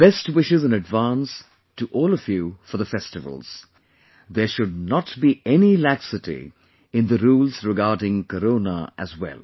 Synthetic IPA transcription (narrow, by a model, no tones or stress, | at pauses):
b̥ɛstwɪʃɪzɨ̃nɨdvãns | tuʔɔːlˠʌvjufəðəfɛstɨvə̰lˠz̥ | ðə˞ʃʊd̚ⁿnətbiʔɛnilæksɨtḭ | ɪ̃nðəɾuːlˠz̥ɹɪɡɑːdɪ̃ŋkəɾõʊnə̰əzwɛ̰lˠ